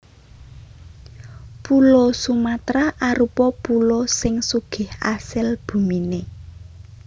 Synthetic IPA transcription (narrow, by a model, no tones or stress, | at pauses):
pulosumat̪ɾaʔaɾupɔpulosɪŋsuɡ̥ɪ̤ha̰sɪlb̥ṳmine